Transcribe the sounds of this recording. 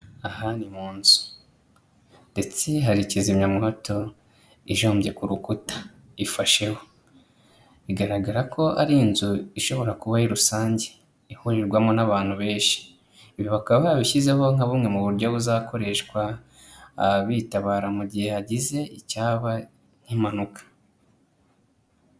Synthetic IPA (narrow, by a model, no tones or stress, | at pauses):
ahanimuːnzu̥ | nde̞t͡seɦaɾicizimɲamuhoto̞ | iʒoːmbje̞kuɾukutḁ | ifaʃe̞ho̞ | βiɡaɾaɡaɾakʰo̞aɾiːnzuiʃo̞βo̞ɾakuβahiɾusaːɲɟe̥ | ihuɾiɾɡwamonaβaːn̥huβe̞ːnʃi̥ | iβiβakaβaβiçizeho̞ŋaβumŋe̞muβuɾɟoβuzakʰo̞ɾe̞ʃkwaː | βitaβaːɾamuɟihe̞haɟize̞icaːβa | ɲ̥himanukḁ